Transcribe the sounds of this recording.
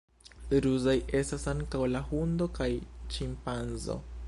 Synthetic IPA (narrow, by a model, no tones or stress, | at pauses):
ɾuzaje̞stasaŋkawlahundo̞kajt͡ʃimpanzo̰